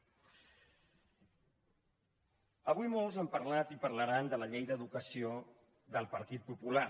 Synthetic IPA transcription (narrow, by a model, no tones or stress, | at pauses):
əβujmolˠzəmpəɾlat̪ipəɾləɾand̪ələʎejd̪əðukəsio | ðəlˠpəɾt̪it̪̚pupula